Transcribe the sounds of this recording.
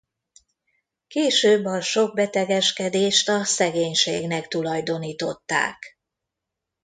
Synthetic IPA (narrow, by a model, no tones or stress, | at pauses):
keːʃøːbːɒʃo̞ɡ̚bɛt̪ɛɡɛʃkɛd̪eːʃt̪ɒsɛɡeːɲʃḛːɡnɛkt̪ulɒjd̪o̞niːt̪o̞t̪ːa̰ːk